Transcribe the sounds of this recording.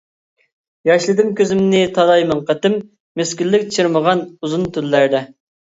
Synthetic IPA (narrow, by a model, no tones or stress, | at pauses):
jɑʃlˠɨd̪ɨmkʲʰøzɪmnɪt̪ʰɑd̪ɑjmɑɴqət̪ɪmː | eskʲylːɪkʲt͡ʃʰɪɾməʁɑnuzunt̪ʰylːæɾd̪ɛ